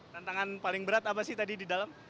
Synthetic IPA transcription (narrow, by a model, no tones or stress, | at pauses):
t̪ant̪aŋanpalɪŋbəɾat̪ap̬asɪht̪adididalam